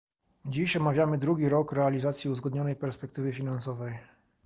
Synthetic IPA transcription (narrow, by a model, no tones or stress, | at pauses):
d͡ʑiɕɔmavʲjamɘd̪ɾuɡʲiɾɔkɾɛalʲizat̪sʲjiuzɡɔd̪ɲɔnɛjpɛɾspɛk̚t̪ɘvɘfʲinansɔvɛj